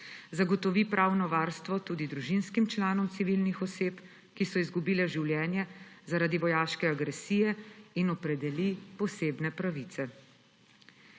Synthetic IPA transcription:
zaɡɔt̪ɔʋipɾʔaːwnɔʋaːɾst̪ʋɔt̪uːd̪id̪ɾuʒinskimt͡ʃlaːnɔmsiʋilnixɔseːp | kisɔizɡubiːlɛʒiwljɛːnjɛzaɾaːd̪iʋɔjaːʃkɛaɡɾɛsiːjɛinɔpɾɛd̪ɛlipɔseːbnɛpɾaʋit̪sɛ

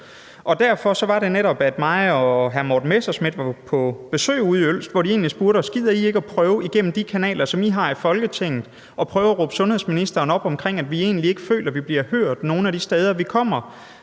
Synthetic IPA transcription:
ɒ̽d̥æɐfɒ̽sɒ̽ʋɑ̈ɾe̝neɾɒ̽b̥æd̥mɑ̈ɪɒɦæɐmɒːd̥n̩mesɐsmid̥ʋɑ̈pʰɒ̽b̥e̝sø̰ːuːðˠiøl̰sd̥ʋɒ̰d̥ɾie̝̰ːnlisb̥uɐɾɒsɡ̥ið̰ˠɐie̝ɡ̥əæpʰʁœːʊiɡ̥en̰m̩d̥ikʰænɛ̰ːlɐsɒ̽miɦɑ̈ifɒ̽lɡ̥ət͡sʰe̝ŋ̰ð̩ˠ | ɒ̽pʰʁœːʊɐɒʁɔːb̥sɔ̽nhe̝ðˠsminisd̥ɐːnɒ̽b̥ɒ̽mkʰʁeŋ̰æd̥ʋie̝̰ːnlie̝ɡ̥əfø̰ːlɐʋib̥liɐhøɐ̰d̥no̝ːn̩æɾ̥isd̥eːð̞ˠɐʋikʰɒ̽m̰ɐ

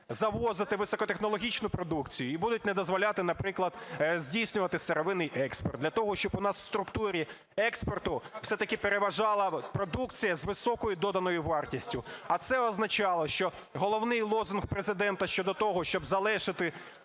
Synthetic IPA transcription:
zɐʋɔzɪt̪ɪʋɪsɔkɔt̪exnɔlˠɔɦʲit͡ʃnʊpɾɔd̪ukt͡sʲijʊibud̪ʊt̚ʲnɛd̪ɔzʋɔlʲɑt̪ɪnɐpɾɪklˠɐd̪zʲdʲijsʲnʲʊʋɐt̪ɪst̪eɾɔʋɪnɪjʔɛkspɔ̰rd̪lʲɐt̪ɔɦɔʃt͡ʃɔbʊnɑswst̪ɾʊkt̪uɾʲi | ɛkspɔrt̪ʊfsɛt̪ɐkɪpeɾeʋɐʒɑlˠɐpɾɔd̪ukt͡sʲijɐzʋɪsɔkɔjʊd̪ɔd̪ɐnɔjʊʋɑrtʲisʲtʲʊɐt̪sɛɔznɐt͡ʃɑlˠɔʃt͡ʃɔ | ɦɔlˠɔwnɪjlˠɔzʊnxpɾezɪd̪ɛnt̪ɐʃt͡ʃɔd̪ɔt̪ɔɦɔʃt͡ʃɔbzɐlˠɛʃɪt̪ɪ

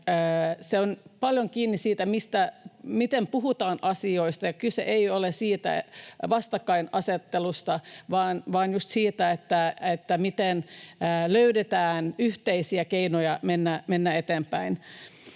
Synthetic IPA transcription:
əːseonpɑljoŋkiːnːissiːt̪æmist̪æmit̪empuɦut̪ɑːnʔɑsioist̪ɑjɑkysḛʔeiolesiːt̪æ̰ʋɑst̪ɑkːɑinɑset̪ːelust̪ɑʋɑːnʋɑːnjust̪siːt̪æet̪ːæet̪ːæmit̪enəløydet̪æːnyht̪eisiækeinojɑmenːæmenːæet̪empæin

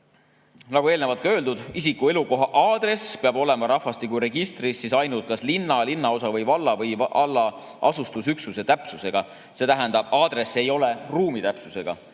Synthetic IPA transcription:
nɑɡue̞ːlnevɑlt̪̚kɑø̞ːld̪ud̪̥isikːue̞luko̞ɦɑʔɑːd̪̥re̞speɑbo̞le̞mɑɾɑhfːɑst̪ik̬uɾe̞ɡ̥ist̪risːisɑjnult̪̚kɑslinːɑlinːɑo̞sɑvɤjvɑlːɑvɤjʔɑlːɑ | ʔɑsust̪usyksuse̞t̪æpsuse̞ɡ̥ɑ | se̞t̪æɦænd̪ɑb̥ɑːd̪̥ɾe̞sːe̞jo̞le̞ruːmit̪æpsuse̞ɡ̥ɑ̰

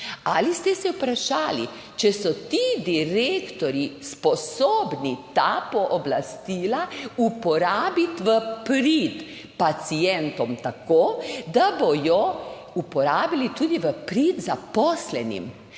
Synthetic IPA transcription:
alist̪ɛsɛwpɾaʃaːlḭ | t͡ʃɛsɔt̪id̪iɾeːkt̪ɔɾispɔsoːbnit̪apɔʔɔblast̪iːlaupɔɾaːbit̪ʋəpɾit̪ | pat̪sijɛnt̪ɔmt̪akoːd̪abojɔ | upɔɾaːbilit̪uːd̪iʋəpɾit̪zapɔslɛnḭm

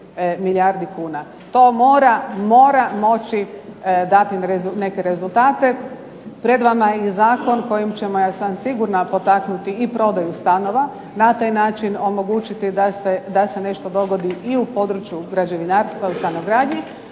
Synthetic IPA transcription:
miljaɾd̪ikuːna | t̪o̞ːmo̞ːɾamo̞ːɾamo̞t͡ʃid̪at̪iene̞ke̞ɾe̞zulˠt̪aːt̪e̞ | pɾe̞d̪ʋamaizaːko̞nko̞jimt͡ʃe̞mojasansiɡuɾnapo̞t̪aknut̪iipɾo̞d̪ajust̪ano̞ʋa | nat̪aːjnaːt͡ʃino̞mo̞ɡuːt͡ʃit̪id̪ased̪ase̞ne̞ʃt̪o̞d̪o̞ɡo̞d̪iiupo̞d̪ɾut͡ʃjuɡɾad͡ʒe̞ʋinaːɾst̪ʋausanoɡɾaːd̪ɲi

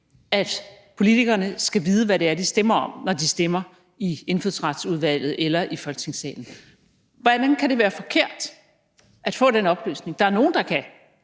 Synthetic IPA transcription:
æd̥ | pʰo̝lit͡sʰiɡ̥ɐnəsɡ̥æʋiːð̞ˠəʋæɾe̝æɐd̥isd̥emɐɒ̽m̰nɒd̥isd̥emɐ | ie̝nføð̰ˠsʁɑd̥suðˠʋæl̰ð̞̩ˠelɐʔifɒ̽lɡ̥t͡sʰe̝ŋsɛ̰ːln̩ | ʋæd̥enkʰæɾe̝ʋæːɐfɒ̽kʰe̝ɐ̰d̥ | ʔæd̥fɔ̰̽ːdenɒ̽b̥lø̰ːsne̝ŋd̥ɑ̈æɐno̝ːn̩d̥ɑ̈kʰæ

